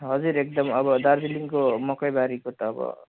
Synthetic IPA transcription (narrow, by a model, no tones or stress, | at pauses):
ɦʌd͡zuɾek̚d̪ʌmʌbʌd̪aɾd͡ziliŋkomʌkʌjbaɾikot̪ʌːbʌ̰